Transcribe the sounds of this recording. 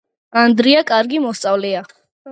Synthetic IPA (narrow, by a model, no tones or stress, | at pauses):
and̪ɾiakʼaɾɡimɔst̪sʼavlɛa